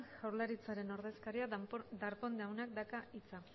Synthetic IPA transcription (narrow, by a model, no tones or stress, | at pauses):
ʝawɾlaɾit͡saɾe̞no̞ɾðe̞skaɾiad̪aɾpo̞nd̪awnak̚d̪akait͡sa